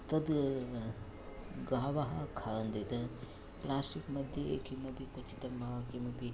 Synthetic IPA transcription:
t̪ɐd̪ | ɡaːʋaɦakʰaːənd̪et̪ɐ | plaːsʈikmɐd̪ʱjeḛkʰimɐbʱikʊt͡ʃʰi̥t̪ɐmakimɐbʱi

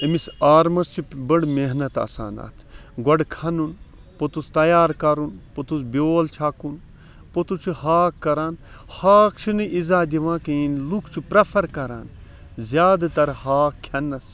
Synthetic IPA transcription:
emisaːɾmɐst͡ʃʰibɐɽmeɦnɐt̪ɐ̰sa̰ːna̰ːt̪ʰɡɐɖkʰɐnun | pot̪ust̪ɐjaːɾkɐɾunpot̪usbʲjoːlt͡ʃʰakun | pot̪ut͡ʃʰuhaːkːɐɾaːn | haːkt͡ʃʰinɨʔizaːd̪iʋãːkinlukʰt͡ʃʰupɾɐpʰɐɾkɐɾaːn | zʲjaːd̪ɐt̪ɐɾhaːkʰʲːɐnːɐs

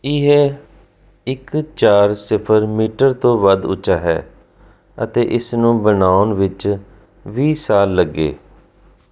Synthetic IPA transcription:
ɪɦe | ɪkt͡ʃaːɾsɪpʰəɾmiːʈəɾt̪õːʋəd̪ʊ̰t͡ʃaːɦɛ̰ː | ə̰t̪eːʔɪsnũːbənaːʊnʋɪt͡ʃ | ʋiːsaːlːəɡːḛː

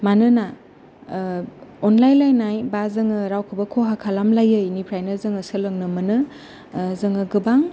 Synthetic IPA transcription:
manɯna | ɔnlajnlajnajbazɯŋɯɾawkʰɯbɐkʰoɦakʰalamlajɯjnipʰɾajnɯzɯŋɯsɯlɯŋnɯmɯnɯ | zɯŋɯɡɯbaŋ

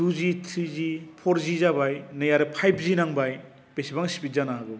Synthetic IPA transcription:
duzitʰɾizipʰɔɾzizabajnɯjaɾɯpʰajpʰzinaŋbaj | b̥esibaŋsipit̚zanaɦaɡɯ

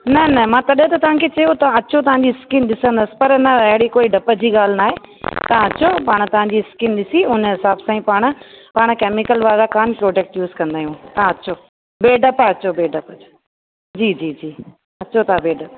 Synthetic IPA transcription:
nɐnɐmãːt̪ɐɗɦət̪ɐt̪ɐʋ̤ãkʰet͡ɕɐjot̪ɐãɐt͡ɕʰot̪ɐʋ̤ãɲd͡ʑiskɪnɗɪsə̃nd̪əsɪ̥̆pɐɾnɐɐɦɪɽikoːiɖɐpəd͡ʑiːɠaːl̤ɪnaːɦeːt̪ɐãɐt͡ɕʰopaːɽ̃t̪ɐʋ̤ãɲd͡ʑiːskɪnɗɪsiʊnɦɪsaːbsãːĩpaːɽ̃̆paːɽ̃keːmɪkəlʋaːɾakaːnpɾoːd͡ʑeːk̚ʈjuːzkɐ̃nd̪aːɦjũt̪ɐãɐt͡ɕʰo | beːɖɐpɐt͡ɕobeːɖɐp | d͡ʑiːd͡ʑiːd͡ʑiː | ɐt͡ɕʰot̪ãbeːɖɐp

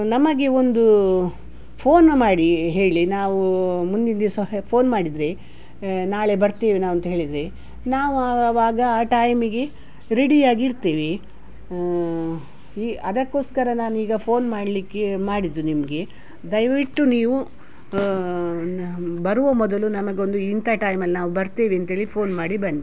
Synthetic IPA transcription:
nɐmɐɡe̞ond̪u | pʰoːnmaːɽiɦe̞ːɭinaːʋumund̪ind̪espʰo̞ːnmaːɽid̪ɾe | naːɭe̞bɐɾt̪iːʋinaːʋɐnt̪ɐɦeːɭid̪ɾe | naːʋuʋaːɡɐaːʈaːjmiɡe̞ | ɾeɽijaːɡiɾt̪iːʋi | iːɐd̪ɐkːo̞ːskɐɾɐnaːnuiːɡɐpʰoːnmaːɽlikːemaːɽid̪ɾunimɐɡe̞ | d̪ɐjʋiʈːuniːʋu | bɐɾuʋɐmɔd̪ɐlunɐmɐɡeo̞nd̪uint̪ʰaʈɐːjmɐlːinaːʋubɐɾt̪eːʋiɐnt̪ɐɦeːɭipʰoːnmaːɽibɐnd̪i

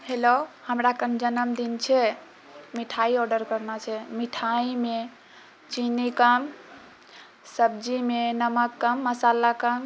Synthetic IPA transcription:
helohəmɾakənd͡ʒənəmd̪int͡ʃʰɛ | miʈʰaiɔɾɖəɾkəɾnat͡ʃʰɛmiʈʰaime | t͡ʃinikəm | səbd͡ʒimenəməkːəmːəsalakəm

